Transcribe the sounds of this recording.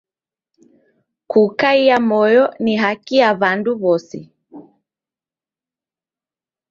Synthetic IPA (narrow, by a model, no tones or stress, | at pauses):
kukaiamɔjɔniɦakiaβanduβɔsi